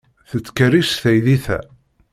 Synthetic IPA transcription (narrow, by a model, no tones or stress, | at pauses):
θət͡sːkərisθæjðiθæ̰